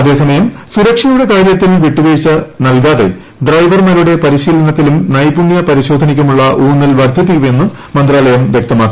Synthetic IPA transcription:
ɐðe̞ːsɐmɐjɐmsuɾɐkʂɐjuɽe̞kaːɾjɐt̪ːilʋiʈːuʋɐɻit͡ɕːɐnɐlkaːðe̞̰ | ɖrɐjʋɐrmɐɾuɽe̞pɐɾiɕiːlɐnɐt̪ːilumnɐjpuɳjɐpɐɾiɕo̞ːd̪ʱɐnikʲːumuɭːɐʔuːnːilʋɐrd̪ʱip̬ːikʲːume̞nːu | mɐnd̪ɾaːlɐjɐmʋjɐk̚t̪ɐmaːkːi

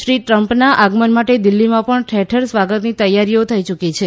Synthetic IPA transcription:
ʃɾiʈɾəmpnaʔaɡmənmaʈed̪ɪlːimãpəɳʈʰɛʈʰəɾsʋaɡət̪nit̪əjaɾijot̪ʰəit͡ʃukit͡ʃʰe

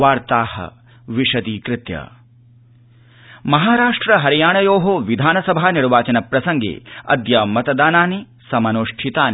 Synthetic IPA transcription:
ʋaːɾt̪aːhɐ̰ | ʋiʂɐd̪iːkɾɪt̪jɐ̰ | mɐɦaːɾaːʂʈɾɐɦɐɾijaːɳɐjoːɦoʋid̪ʱaːnɐsɐbʱaːniɾʋaːt͡ʃɐnɐpɾɐsɐŋɡḛːɐ̰d̪jɐmɐt̪ɐd̪aːnaːni | sɐmɐnoːʂʈʰit̪aːn

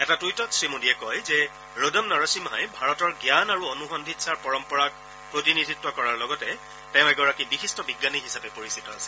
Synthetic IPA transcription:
ɛtatujtɔtsɹimudiɛkɔjzɛ | ɹodɔmnaɹasimɦajbʱaɹɔtɔɹɡjanaɹuonuxɔndʱitsaɹpɔɹɔmpɔɹak̚ | pɹotinidʱitːwɔkɔɹaɹlɔɡɔtɛ | tɛʊ̃ɛɡɔɹakibixistɔbiɡːaniɦisapɛpoɹisitɔasɛ̥l

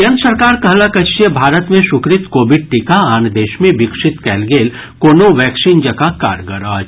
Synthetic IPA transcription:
ənsɐɾkaːɾkɐɦlakɐt͡ʃijəbʱaːɾət̪mẽʃʊkɾɪt̪koːbɪɖ̚ʈikaaːnd̪eːʃmẽbɪkʂɪt̪kɛːlɡeːl | koːnoʋɛːksind͡ʒəkaka̰ːɾɡəɾaː

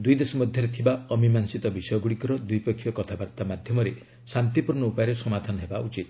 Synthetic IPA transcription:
d̪ujd̪esɔmɔd̪ʱjɔɾet̪ʰibaɔmimansit̪ɔbisɔjɔɡuɽikɔɾɔd̪ujpɔkʰːjɔkɔt̪ʰabaɾt̪amad̪ʱjɔmɔɾe | sant̪ipuɾɳɔupajɾesɔmad̪ʱanɔɦebaʔut͡ʃit̪

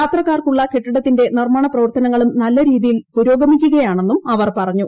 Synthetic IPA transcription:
aːt̪rɐkːaːrkuɭːɐkeʈːiɽɐt̪ːinde̞nirmaːɳɐprɐʋɐrt̪ɐnɐŋːɐɭumnɐlːɐɾiːðijilpuɾo̞ːɡɐmikʲːuɣɐjaːɳe̞nːumɐʋɐrpɐrɐɲːu

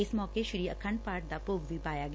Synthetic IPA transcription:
ɪsmɔːkeʃɪɾiːəkʰəɳɖpaːɾʈ̚d̪apoːɡbʱipaːjaɡ

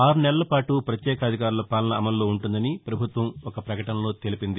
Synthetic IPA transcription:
aːɾunɛlɐlɐpaːʈupɾɐt̪jɛːkɐɐd̪ʱikaːɾulɐpaːlɐnɐːmɐlːo̞ːuɳʈund̪ɐnipɾɐbʱut̪ʋɐmɔkɐpɾɐkɐʈɐnɐlo̞ːt̪elipind̪i

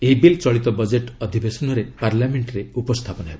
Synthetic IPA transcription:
eibilt͡ʃɔɭit̪ɔbɔd͡ʒeʈɔd̪ʱibesɔnɔɾepaɾlameɳʈɾeupɔst̪ʰapɔnɔɦeb

